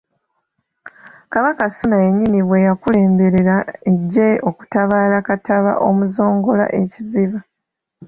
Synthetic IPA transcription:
kaβakasunaeɲːiniβwe̞jakule̞ːmbe̞ɾe̞ɾaeɟːe̞o̞ku̥taβaːlakataβa̰ʔo̞muzo̞ːŋɡola̰ʔe̞ciziβa

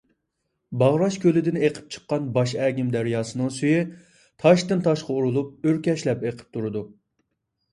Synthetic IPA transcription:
bɑʁɾɑʃkʲølɪd̪ɪneqʰə̥p̚t͡ʃʰə̥qːɑnbɑʃɛːɡʲimd̪æɾjɑːsɨnɨŋsyjɪ | t̪ʰɑʃt̪ɨnt̪ʰɑʃqʰɑuɾulˠup̚øɾkʲɛʃlɛpeqʰə̥p̚t̪ʰuɾɨd̪u

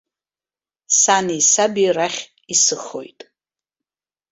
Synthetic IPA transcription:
sanisabiraχʲ | isɨχo̞̰jtʼ

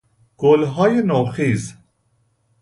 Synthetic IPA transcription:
ɡ̥olɦɒːjenoxiːz

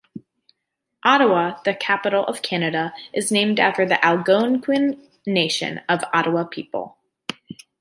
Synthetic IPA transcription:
ʔɑɾəəðɨkʰæpəɾl̩ˠʔʌ̰v̥kʰænɨɾəʔɨznẽɪ̃mdæftə˞ðiʔælˠɡõʊ̃nkʰwɪ̃nː | eɪʃɨ̰̃nʌvɑ̰ɾəəpʰipl̩ˠ

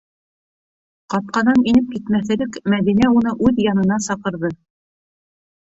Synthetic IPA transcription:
qɑp̪̚qɑnɑninɘp̚kit̪mæθɘ̆lɘkmæðinæunɤʔʉðjɑnɤ̆n̪ɑsɑqɤ̆ɾðɤ

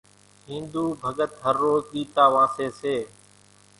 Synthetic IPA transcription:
ɦĩːnd̪uːbʱəɡət̪ɦəɾːoːzɠiːt̪aːʋãːseːseː

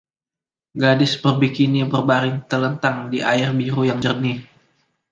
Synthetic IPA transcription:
ɡadɪsbərbikinibərbaɾɪŋt̪ələnt̪aŋdiʔaɪrbiɾujaŋd͡ʒərni

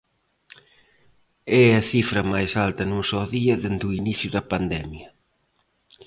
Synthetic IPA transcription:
ɛɐθifɾɐmajsalt̪ɐnusoðiɐðend̪uiniθjuðɐpand̪ɛmjɐ

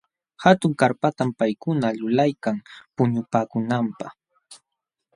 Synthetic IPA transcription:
hat̪ʊŋkaɾpat̪ampajkʊnalʊlajkaŋpʊɲʊpaːkʊnampa̰χ

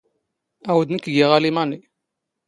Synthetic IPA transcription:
æwəd̪nəkɡiʁalimani

